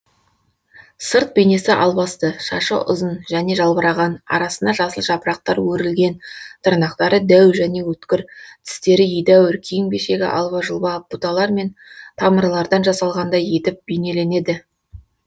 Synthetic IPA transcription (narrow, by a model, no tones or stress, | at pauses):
səɾt̪̚bene̞sɪʔɑlˠbɑst̪əʃɑ̰ʃə̰ʔʊ̰zənʒæne̞ʒɑlˠbəɾɑʁɑnɑ̰ɾɑsənd̪ɑʒɑsəlˠʒɑpəɾɑq̚t̪ɑɾwɵɾɪlɡʲe̞nt̪ʰəɾnɑqt̪ɑɾəd̪æwʒæne̞wɵt̪kʲɪɾt̪ʰɪ̥st̪e̞ɾɪijd̪æwʏɾkʲʰijɪŋbe̞ʃe̞ɡʲɪ̰ʔɑ̰lˠβɑʒəlˠbɑb̥ut̪ɑlˠɑɾme̞nt̪ʰɑməɾlˠɑɾd̪ɑnʒɑsɑlˠʁɑnd̪ɑje̞t̪ɪp̚bejne̞le̞ne̞d̪ɪ